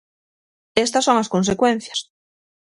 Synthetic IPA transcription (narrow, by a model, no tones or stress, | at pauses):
est̪ɐsːoŋɐskons̬ekwẽn̟θjɐs